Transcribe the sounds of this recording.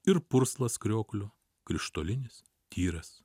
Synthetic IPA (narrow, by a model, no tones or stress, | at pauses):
ɪɾpʊɾslˠɐskɾʲoːklʲʊ | kɾʲɪʃt̪oːlʲɪnʲɪs | t̪ʲiːɾɐs